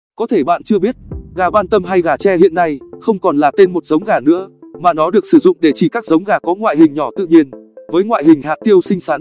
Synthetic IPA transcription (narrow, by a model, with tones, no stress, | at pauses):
kɔ˨˦t̪ʰe˧˩ɓa̰ː˧˨nt͡ɕɨ˧əɓi˦˥ət̚ɣaː˨˩ɓaː˧nt̪ə˧mɦa˧jɣaː˨˩t͡ɕɛ˧hḭ˧ənːa˧jxə˧wŋ͡mkɔ˨˩nlaː˨˩t̪e˧nmo˨˩t̚zə˨˦wŋ͡mɣaː˨˩nɨ̰˧˥əmaː˨˩nɔ˨˦ɗɨ˨˩ək̚sɨ˧˩zʊ̰˧˨ŋ͡mɗe˧˩t͡ɕi˧˩kaː˦˥k̚zə˨˦wŋ͡mɣaː˨˩kɔ˨˦ŋwa̰ː˧˨jɦï˨˩ŋ̟ɲɔ˧˩t̪ɨ̰˧˨ɲi˧ənvəː˨˦jŋwa̰ː˧˨jɦï˨˩ŋ̟ɦaː˨˩t̚t̪i˧əwsï˧ŋ̟saː˨˦n